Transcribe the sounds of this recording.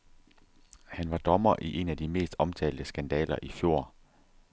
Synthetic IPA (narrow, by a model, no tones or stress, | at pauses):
hænʋɑ̈d̥ɒ̽mɐʔiʔe̝næd̥ime̝̰ːsd̥ɒ̽mt͡sʰɛ̰ːld̥əsɡ̥ænd̥ɛ̰ːlɐʔifjo̝ːɐ̰